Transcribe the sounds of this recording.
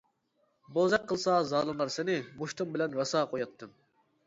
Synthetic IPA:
bozɑqqʰːəlˠsɑzɑːlˠɨmlˠɑɾsɪnɪmuʃt̪ʰumbɪlɛnɾɑsɑːqʰojɑt̪ʰːɨm

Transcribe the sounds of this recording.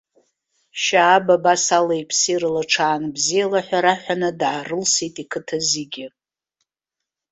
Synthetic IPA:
ʃaːbabasalejpʰsirlaʈ͡ʂʰaːnbzijalaħʷᶣaɾaħʷᶣanɨdʕarɨlsitʼikʰɨtʰaziɡʲɪ

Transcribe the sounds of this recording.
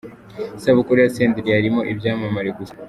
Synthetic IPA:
saβukuɾejaseːndɾiaɾimo̞ʔibjaːmamaɾekus

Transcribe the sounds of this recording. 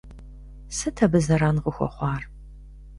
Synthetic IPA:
sɨtʰɐbɨzɐɾaːnʁəxʷɔ̰χʷɑːr

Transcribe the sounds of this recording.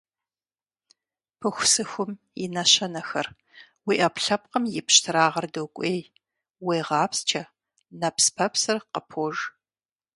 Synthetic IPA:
pʰɨxʷʊsɨxʷʊmjɪnɐɕɐnɐxɐr | wiːʔɐpɬɐp̚qəmjɪpɕtʰɨɾaːʁɐrdowkʷʼeːj | weːʁɑːpst͡ʃʰɐ | nɐpspʰɐpsɨrqəpʰoːʐ

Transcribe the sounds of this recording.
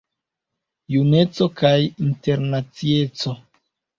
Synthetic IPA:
june̞t͡so̞kajinte̞ɾnat͡sie̞t͡so̞

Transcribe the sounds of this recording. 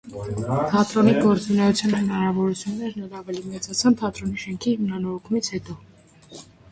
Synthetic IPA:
p̪ʰɑt̪ɾɔniɡɔɾt͡sunɛjut͡sʰjɑnhənɑɾɑvɔɾut͡sʰjunːɛɾnɛlɑvɛlimɛt͡sɑt͡sʰɑnp̪ʰɑt̪ɾɔniʃɛŋkʰihimnɑnɔɾɔkʰumit͡sʰhɛt̪ɔ

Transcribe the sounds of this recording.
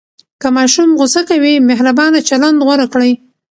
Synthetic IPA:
kəmɑʃumɣʊsakawimeɦɾabɑnat͡ʃaland̪ɣwaɾakɽəj

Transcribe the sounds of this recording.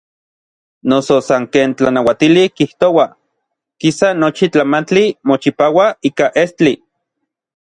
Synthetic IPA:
nososaŋkeːnt͡ɬanawat̪ilikiht̪owa | kisanot͡ʃit͡ɬamant͡ɬimot͡ʃipawaiːkaʔest͡ɬi

